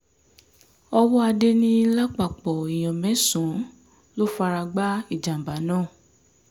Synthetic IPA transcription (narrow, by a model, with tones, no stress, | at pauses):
ɔ˧wɔ˦a˧de˦nĩ˦la˦k͡pa˨k͡pɔ˨i˨j̃ɔ̃˨mɛ̃˨˦sũ˨˦ | lo˦fa˧ɾa˧ɡ͡ba˦i˦˨d͡ʒa˨m̩˨ba˨˦nãː˦˨